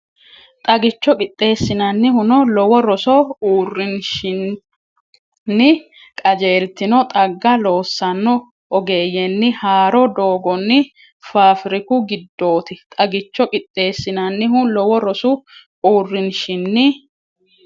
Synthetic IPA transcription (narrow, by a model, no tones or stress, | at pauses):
t̪ʼɐɡɪt͡ʃːɔkʼɪt̪ʼːe̞ːsːɪnɐnːɪhʊnɔlɔwɔɾɔsɔuːrːɪnʃɪn | nːɪ | kʼɐd͡ʒeːlt̪ɪnɔt̪ʼɐɡːɐlo̞ːsːɐnːɔ | ɔɡe̞ːjɛnːɪhaːɾɔd̪oːɡɔnːɪ | faːfɪɾɪkʊɡɪd̪ːo̞ːt̪ɪt̪ʼɐɡɪt͡ʃːɔkʼɪt̪ʼːe̞ːsːɪnɐnːɪɦʊlɔwɔɾɔsʊ | uːrːɪnʃɪnːɪ